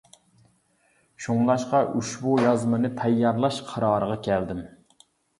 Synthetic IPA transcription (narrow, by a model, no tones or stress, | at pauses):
ʃuŋlˠɑʃqɑʔuʃbujɑzmɨnɨt̪ʰɑjːɑɾlˠɑʃqʰɑɾɑːɾəʁɑkʲʰɛld̪ɪm